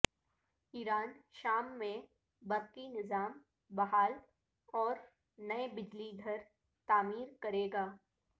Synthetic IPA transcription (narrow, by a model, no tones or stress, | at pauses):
iːɾaːnʃaːmːẽ | bɐɾkinɪzaːm | bɐɦaːl | ɔːɾ | nɐebɪd͡ʒliɡʱɐɾ | t̪aːmiːɾkɐɾeːɡaː